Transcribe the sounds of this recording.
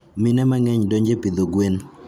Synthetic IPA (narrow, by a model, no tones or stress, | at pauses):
minɛmaŋɛɲdoɲd͡ʒepid̪oɡwen